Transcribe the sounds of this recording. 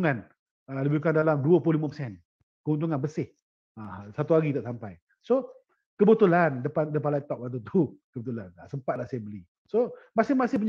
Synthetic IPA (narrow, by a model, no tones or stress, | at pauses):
ŋan | ələbikandalamduəplʊhlimapəsɛn | kəɦunt̪̬uŋanbəsɪh | asat̪uaɡit̪aʔsampaj | so | kəbət̪ulandəpandəp̬anlait̪ɔk̚lat̪̬ut̪ukəbət̪̬ulanasəmpat̪̚lahsajəbəli | somasɪhmasɪhpuɲ